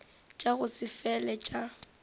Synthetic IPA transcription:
t͡ʃʼaɣʊsɪfɛlɛt͡ʃʼa

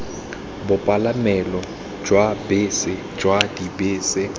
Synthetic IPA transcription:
bʊpʼalamɛlɔ | d͡ʒwabɪːsɪ | d͡ʒwadibɪːsɪ

